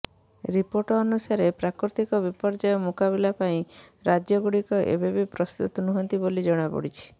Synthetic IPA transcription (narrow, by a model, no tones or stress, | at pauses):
ɾipoɾʈɔːnusaɾepɾakɾut̪ikɔbipɔɾd͡ʒajɔmukaβilapaĩɾad͡ʒjɔɡuɽikɔʔḛbebipɾɔst̪ut̪ɔnuɦɔnt̪ibolid͡ʒɔɽ̃apɔ̰ɽit͡ʃʰi̥